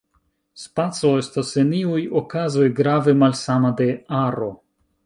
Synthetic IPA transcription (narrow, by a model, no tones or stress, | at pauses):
spat͡so̞e̞staseniujokazo̞jɡɾave̞malsamade̞aɾo̞